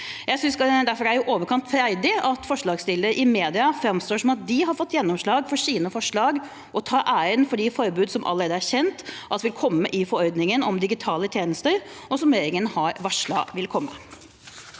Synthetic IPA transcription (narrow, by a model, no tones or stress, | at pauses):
jæɪsʏnsd̪æɾfɔɾæɾjʊʔoːʋəɾkʰɑnt̪fɾæɪd̪ɪɑt̪fɔʂɭɑːɡst̪ɪləɾəʔɪmeːd̪ɪɑfɾɑmst̪oːʂɔmɑt̪̚d̪ɪɦɑɾfɔt̪ːjɛnːɔmʂɭɑːɡfɔɾʂiːnəfɔʂɭɑːɡ | ʔɔt̪ʰɑːʔæɪənfɔɖɪfɔɾbʉːd̪sɔmʔɑ̰ləɾeːd̪əæɾçɛnt̪ʔɑsʋɪlkʰɔmːəʔɪfɔɾɔɾd̪nɪŋənɔmd̪ɪɡɪt̪ʰɑːlət̪ʰjeːnəst̪əɾɔsɔmeːɾɪŋənhɑɾʋɑʂɭɑ̰ːʋɪlkʰɔmːə̰